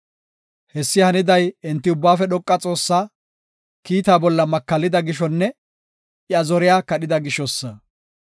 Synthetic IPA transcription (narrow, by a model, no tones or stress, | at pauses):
hɛsːɪhɐnɪd̪ɐjɛnt̪ːɪʊbːaːfɛɗɔkʼːɐt͡sʼo̞ːsːaː | kiːt̪aːbɔlːɐmɐkːɐlːɪd̪ɐɡɪʃɔnːɛ | ɪɐzɔɾɪjaːkɐɗɪd̪ɐɡɪʃɔsːɐ